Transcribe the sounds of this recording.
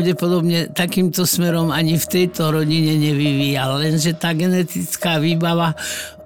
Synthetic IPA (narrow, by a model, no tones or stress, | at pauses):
ʊɟɛpɔd̪ɔbɲɛt̪akiːmt̪ɔsmɛɾɔmaɲift̪ɛjt̪ɔɾɔɟiɲɛɲɛʋiʋiːjalːɛnʒɛt̪aːɡɛnɛt̪it͡skaːʋiːbaʋa